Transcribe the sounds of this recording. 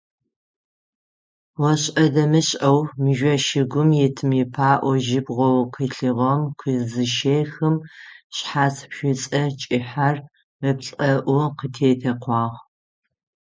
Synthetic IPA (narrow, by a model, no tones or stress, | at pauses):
wɔɕʼɐdɐmɨɕʼʔɐwmɨʒʷɐʃɪɡʷʊmjɛtʰɨmjɪpʰaːʔʷɔʒɪbʁʷɔwqʰiɬɨʁɐmkʷʰizɨʃejxɨmɕħaːspʃʷɪt͡sʼɐt͡ʃʼɪħar | ɨpɬʼɐʔʷʊqətʰeːtʰɐqʷɑːʁ